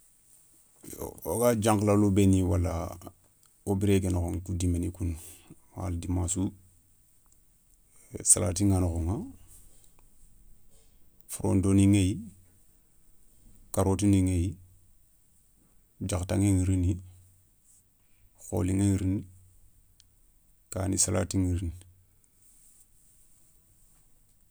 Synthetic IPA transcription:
oɡad͡ʒaŋklalobeniwala | obiɾeɡenkoŋkudimenikunwa̰ldimasu | sala̰ːtiŋanxoŋa | fuɾo̰ndoniŋej | kaɾotiniŋej | d͡ʒaktaŋeŋiɾini | xo̰liŋeŋɾini | kaːnisala̰ːtiŋiɾin

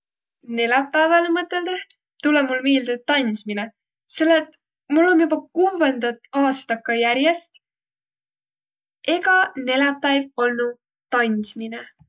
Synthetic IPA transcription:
ne̞lɑpːˑævɑlemɤt̪ːˑe̞ld̪̥e | t̪ulemulmiːld̪ut̪ːɑnʲsmine | se̞lːet̪ | mulːo̞njubɑkuːvend̪̥ɑt̪ːˑɑːst̪ɑkːɑjæɾje̞st̪ | ʔe̞ɡɑne̞lɑpːˑæjvo̞lnu | t̪ɑnʲsmine

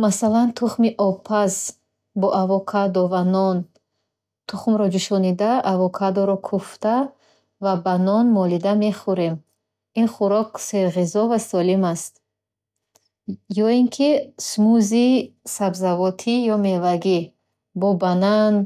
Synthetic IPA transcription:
masalant̪ʰuχmiʔɔpʰaz | bɔʔavɔkʰad̪ɔvanɔn | t̪ʰuχmɾɔd͡ʒiʃɔnid̪aːvɔkʰad̪ɔɾɔkʰuft̪a | vabanɔnmɔlid̪ame̞χuɾe̞m | inχuɾɔkseɾʁizɔvasɔlimast̪̚ | jɔiŋkʰismuzisabzavɔt̪ʰijɔme̞vaɡi | bɔbanan

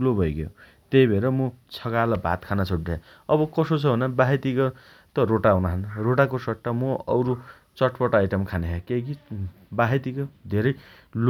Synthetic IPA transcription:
lobʱʌjɡjo̰ | t̪ejbʱeɾʌmũt͡sʰʌkalʌbʱa̰t̪kʰanat͡sʰoʈde | ʌbʌkʌsot͡sʰʌɦunʌbaɦet̪iko | t̪ʌɾoʈawnaɦʌnɾoʈakosʌʈːamoʌwɾu | t͡sʌʈpʌʈaajʈʌmkʰaneɦakeki | baɦet̪ikod̪ʱeɾʌj | l

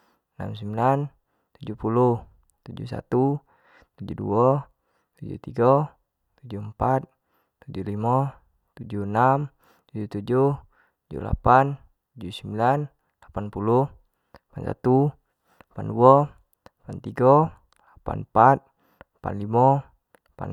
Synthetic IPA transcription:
na̰msəmbilan | t̪ud͡ʒuhpuluh | t̪ud͡ʒṵsa̰t̪u | t̪ud͡ʒuduɔ | t̪ud͡ʒṵt̪iɡa | t̪ud͡ʒuəmpat̪̚ː | ud͡ʒulima | t̪ud͡ʒunam | t̪ud͡ʒut̪ud͡ʒuh | t̪ud͡ʒṵla̰pan | t̪ud͡ʒusəmbilan | lapanpulu | apansa̰t̪u | panduɔ | apant̪iɡa | lapa̰npat̪̚ | pa̰nlimɔ | apa̰n

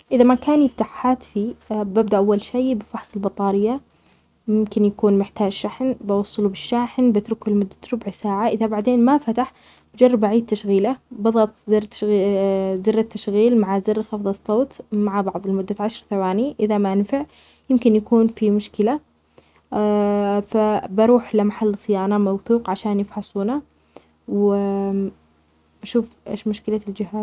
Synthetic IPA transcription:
ʔɪðamakaːnjɪft̪aħħaːt̪fibɪb̚d̪aʔawːalʃiːbɪfɑħsˤɪlbɑt̪ˤɑːɾɪjːa | jɪmkɪnjakuːnmɪħt̪aːd͡ʒʃaħnbɑwɑsˤːɑlubɪʃːaːħnbɪt̪ɾʊkɪlmʊd̪ːat̪ɾʊbʕsaːʕaʔɪðabaʕd̪eːnmafat̪aħ | b̥ɪd͡ʒɑrˤːɑbaʕiːd̪̚t̪aʃɣiːlabɑðˤɑt̪ˤzɪɾt̪ | zɪrːat̪ːaʃɣiːlmaʕazɪrxɑfðˤɑsˤːoːt̪maʕabɑʕðˤɪlmʊd̪ːaʕaʃɾˤθawaːniʔɪðamaʔanfɪʕ | jɪmkɪnjakuːnfimʊʃkɪla | fabɑɾˤuːħlamaħalːsˤɨjaːnɑmawθuːqʕaʃaːnjɪfħɑsˤuːna | w | ʔaʃuːfʔḛːʃmʊʃkɪlald͡ʒɪɦa

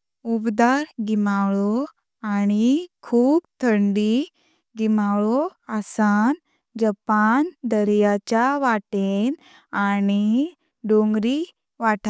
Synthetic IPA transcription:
ubd̪aɾɡimawɭɔ | añikʰuːbt̪ʰəɳɖi | ɡimawɭɔasan | d͡ʑəpand̪əɾjat͡ɕjaʋaʈen | ani | ɖoŋɡɾi | ʋaʈʰa

